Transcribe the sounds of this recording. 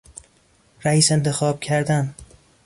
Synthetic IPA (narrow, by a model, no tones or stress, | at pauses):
ɾæiːse̞nt̪ʰe̞xɒːb̥̚cʰæɾd̪æn